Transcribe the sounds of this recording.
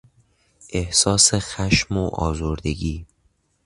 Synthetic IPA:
ʔe̞hsɒːse̞xæʃmoʔɒ̰ːzoɾd̪e̞ɡiː

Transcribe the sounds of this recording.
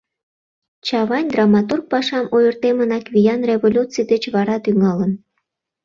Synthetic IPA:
t͡ɕɑβɑnʲd̪rɑmɑt̪urk̚pɑʃɑmʔojərt̪emənɑkβʲijɑnreβolʲut͡sijd̪et͡ɕβɑɾɑt̪yŋɑlən

